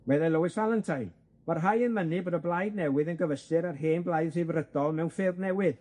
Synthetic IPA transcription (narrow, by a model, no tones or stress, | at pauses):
wɛðɛlˠowɨsvalˠəntʰaj | marɦajənmənɨboːdɔblˠajdnɛwɨðənɡəvəstɨɾarɦeːnblˠajðsɪvrədɔlˠmɛwnfɪrbnɛwɨð